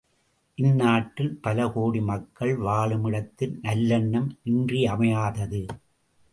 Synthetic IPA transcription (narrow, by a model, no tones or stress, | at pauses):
ʔɪnːaːʈːɪlpɐlɐkoːɽimɐkːɐɭʋaːɭɯmɪɽɐt̪ːɪlnɐlːɐɳːɐmnɪndriɐmɐjaːðɐðɯ